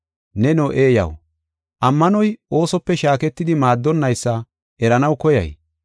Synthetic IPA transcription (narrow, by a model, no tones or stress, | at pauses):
nɛnoʔeːjɐ̰w | ʔɐmːɐnɔjʔo̞ːsɔpːɛʃaːkɛt̪ːɪd̪ɪmaːd̪ːɔnːɐjsːɐ | ʔɛɾɐnɐwkɔjɐ̰j